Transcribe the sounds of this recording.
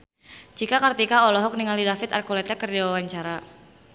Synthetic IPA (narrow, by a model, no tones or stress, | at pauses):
d͡ʒikakərt̪ikaɔlɔɦɔk̚niŋalidafɪt̪arkɔlɛt̪ɛkːərd͡ʒiwawaɲt͡ʃaɾa